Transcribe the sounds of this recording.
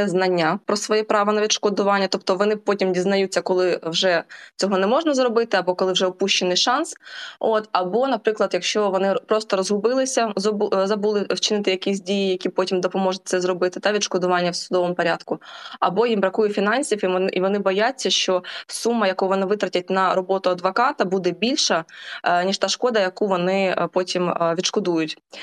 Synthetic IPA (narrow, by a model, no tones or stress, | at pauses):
ɛznɐnʲːapɾɔsʋɔjɛpɾɑʋɐnɐʋʲid̪ʃkɔd̪ʊʋɑnʲːɐt̪ɔp̚t̪ɔʋɔnɪpɔtʲimdʲiznɐjut͡sʲːɐkɔlˠɪwʒɛt͡sʲɔɦɔnɛmɔʒnɐzrɔbɪt̪ɪɐbɔkɔlˠɪwʒɛɔpuʃt͡ʃenɪjʃɑnsot̪ɐbɔnɐpɾɪklˠɐd̪jɐkʃt͡ʃɔʋɔnɪpɾɔst̪ɔɾɔzɦʊbɪlˠɪsʲɐzzɐbulˠɪwt͡ʃɪnɪt̪ɪjɐkʲisʲdʲijijɐkʲipɔtʲimd̪ɔpɔmɔʒʊt̚ʲt̪sɛzɾɔbɪt̪ɪt̪ɑʋʲid̪ʃkɔd̪ʊʋɑnʲːɐwsʊd̪ɔʋɔmʊpɔɾʲad̪kʊɐ̰bɔjimbɾɐkujʊfʲinɑnʲsʲifiiʋɔnɪbɔjat͡sʲːɐʃt͡ʃɔsumːɐjɐkuʋɔnɪʋɪt̪ɾɐtʲɐt̚ʲnɐɾɔbɔt̪ʊɐd̪ʋɐkɑt̪ɐbud̪ɛbʲilʲʃɐnʲiʃt̪ɑʃkɔd̪ɐjɐkuʋɔnɪpɔtʲimʋʲid̪ʃkɔd̪ujʊtʲ